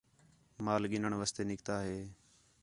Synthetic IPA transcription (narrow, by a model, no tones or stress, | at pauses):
maːlɠɪnəɳʋəst̪eːnɪkt̪aːɦeː